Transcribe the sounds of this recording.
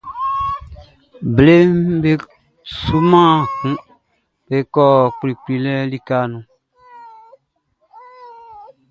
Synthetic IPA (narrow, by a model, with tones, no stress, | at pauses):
ble˦mbe˦ | su˦mã˦˨kũ˦ | be˨˦kɔ˨k͡pli˨k͡pli˨lɛ˦li˦ka˦nũ˨